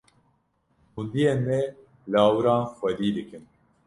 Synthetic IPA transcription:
hund̪ijemɛ | laːwɨɾaːnxɛd̪iːd̪ɨkɨn

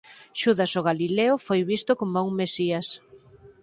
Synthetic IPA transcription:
ʃuðasoɣ̞alileʊfojβist̪okomouŋmesias

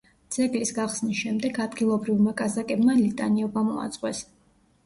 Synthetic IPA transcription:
d̪z̥ɛɡlisɡaχsnisʃɛmd̪ɛɡad̪ɡilˠɔbɾivmakʼazakʼɛbmalit̪ʼa̰niɔbamɔ̰a̰t̪sʼqʼwɛ̰s

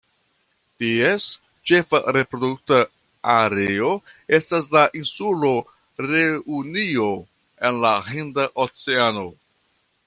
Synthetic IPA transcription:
ties | t͡ʃe̞fa̰ɾe̞pɾo̞duk̚ta | aɾeo̞e̞stas̬laʔinsulo̞ | ɾeunio̞ | e̞nlahindaʔot͡se̞ano̞

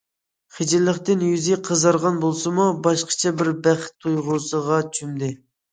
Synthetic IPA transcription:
χɪd͡ʒɪɾlɪχt̪ɪnjyzɪqʰəzɑɾʁɑnbolˠsɨmubɑʃqʰə̥t͡ʃʰɛbɪɾbæχt̪ʰːujʁʊsəʁɑt͡ʃʰymd̪ɪ

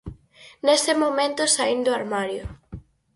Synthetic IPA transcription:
nesɪmomẽnt̪ʊsaind̪ʊaɾmaɾjʊ

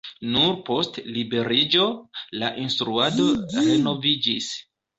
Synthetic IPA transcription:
nuɾpo̞stlibe̞ɾid͡ʒo̞laʔinstɾuado̞ɾe̞no̞vid͡ʒis

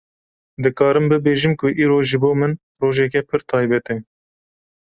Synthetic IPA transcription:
d̪ɨkɑːɾɨmbɨbeːʒɨmkʰʊʔiːɾoːʒɨboːmɨn | roːʒɛk̬ɛpʰɨɾt̪ʰɑːjbɛt̪ɛ

